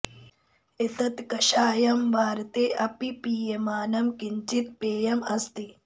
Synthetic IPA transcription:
et̪ɐt̪kɐʃaːjɐmʋaːɾt̪eːʔɐpipiːjemaːnɐmkiɲt͡ʃit̪̚peːjɐmɐst̪i

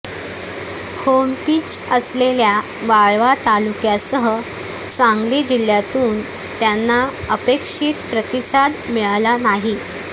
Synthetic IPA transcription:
hompiːt͡ɕəslelja | ʋaɭʋat̪alukjasəɦə | saŋɡlid͡ʑil̤jat̪uːn | t̪janːa | əpekʂiːt̪pɾət̪isad̪miɭlanaɦi

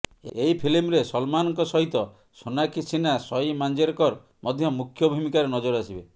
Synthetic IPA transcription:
eipʰilimɾesɔlmanɔŋkɔsɔɦit̪ɔ | sonakisinasɔjmand͡ʒeɾɔkɔɾ | mʔɔd̪ʱjɔmukʰːjɔbʱumikaɾenɔd͡ʒɔɾasibe

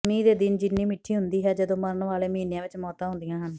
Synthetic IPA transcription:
miːd̪eːd̪ɪnd͡ʒɪnːiːmɪʈʰːiːɦʊnd̪iːɦɛːd͡ʒəd̪õːməɾənʋaːleːmĩːnejãːʋɪt͡ʃmɔːt̪ãːɦʊ̃nd̪ɪjãːɦən

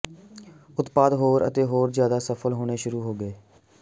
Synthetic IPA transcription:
ʊt̪paːd̪ɦoːɾə̰t̪eːɦoːɾzjaːd̪aːsəfʰəlɦoːɽ̃eːʃʊɾuːɦoːɡəeː

